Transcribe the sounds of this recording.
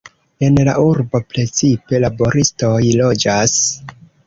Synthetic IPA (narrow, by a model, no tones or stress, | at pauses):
e̞nla̰ʔuɾbo̞pɾe̞t͡sipe̞labo̞ɾisto̞jlo̞d͡ʒas